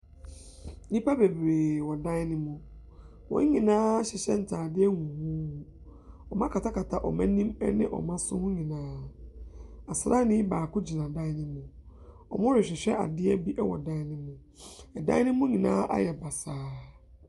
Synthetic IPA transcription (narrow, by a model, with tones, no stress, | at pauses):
nĩ˦pa˦be˨bɾeː˨wɔ˨dã˦nɪ̃˦mʊ̃˨ | wɔ̰̃˨˦ɲĩ˨nãː˦ɕɪ˨ɕɛ˦n̩˨tʰaː˨dɪ˦ɛ˦ŋũ˨hũ˦ | ɔ˨mã˦kʰa˨tʰa˦kʰa˨tʰa˨ʔɔ̰˨mã̰˦nĩ˦mɛ̰˦nɪ̰̃˦ʔɔ̰˨mã˦sʊ̰˦hʊ̃˦ɲĩ˨nãː˨˦ | a˨sɾa˦nɪ̃˦baː˨kʊ˦d͡ʑi˨nã˨dã˦nɪ̃˦mʊ̃˨ | ɔ̰˨mʊ̃˦ɾɪ˨ɕᶣɪ˨ɕᶣɛ˦ʔa̰˨dɪ˦ɛ˦bi˦ʔɛ˦wɔ̰˨dã˦nɪ̃˦mʊ̃˨ | ɛ˨dã̰˦nɪ̃˦mʊ̃˦ɲĩ˨nã̰ː˦ʔa̰˦jɛ˨ba˨saː˨˦